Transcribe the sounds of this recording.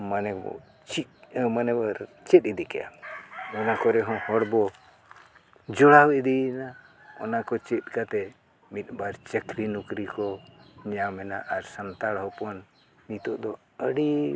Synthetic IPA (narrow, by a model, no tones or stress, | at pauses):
manɛbɔ̰ | t͡ʃimanɛbaɾ | t͡ʃɛt̪̚id̪ikɛja̰ɔnakɔɾɛɦɔ̃hɔɽbɔ | d͡ʒɔɽawɛʔd̪ina | ɔ̰nakɔt͡ʃɛt̪̚kat̪ɛ | mit̪̚baɾt͡ʃəkɾinukɾikɔɲamɛna̰ʔaɾsant̪aɽɦɔpɔn | mit̪ɔʔd̪ɔ | əɽi